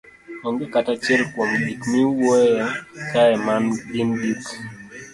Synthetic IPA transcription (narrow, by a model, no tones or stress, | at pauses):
ɔŋɡɛkatat͡ʃɛlkwomdikmiwɔjɛkaɛmanbindik